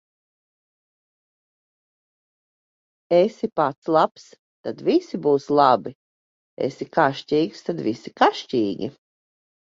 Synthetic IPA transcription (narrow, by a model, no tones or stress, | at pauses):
esipat̪slˠaps | t̪ad̪visibuːslˠabi | ḛsikaʃciːkst̪ad̪visikaʃciːɡʲḭ